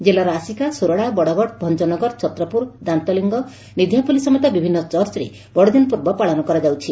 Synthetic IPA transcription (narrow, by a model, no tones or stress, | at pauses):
d͡ʒelaɾɔasikasuɾɔɽabɔɽɔɡɔɽbʱɔnt͡ʃɔnɔɡɔɾt͡ʃɔt̪ɾɔpuɾd̪ant̪ɔliŋɡɔ | nid̪ʱjapulisɔmɔt̪abibʱinːɔt͡ʃɔɾt͡ʃɔɾḛ | bɔɽɔd̪inɔpuɾbɔpaɭɔnɔkɔɾɔd͡ʒawt͡ʃʰi